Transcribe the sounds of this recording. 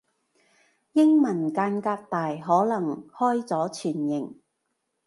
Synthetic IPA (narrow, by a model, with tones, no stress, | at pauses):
jɪ˥ŋmɐ˨˩nkaː˧nkaː˧k̚t̪aː˨jɦɔː˨˥lɐ˨˩ŋhɔː˥jt͡sɔː˨˥t͡ʃʰyː˨˩njɪ˨˩ŋ